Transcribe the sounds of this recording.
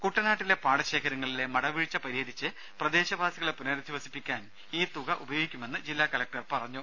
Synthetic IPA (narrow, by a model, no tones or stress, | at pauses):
kuʈːɐnaːʈːile̞paːɽɐɕe̞ːkʰɐɾɐŋːɐɭile̞mɐɽɐʋiɻt͡ɕːɐpɐɾiɦɐd̪it͡ɕːɨ | prɐd̪e̞ːɕɐbʱaːsiɣɐɭepunɐɾɐd̪ʱːiʋɐsi̥pːikʲːaːn | iːt̪uɣɐʔubɐjo̞ːɡikʲːume̞nːɨd͡ʑilːaːkɐlɐk̚ʈɐrpɐrɐɲːu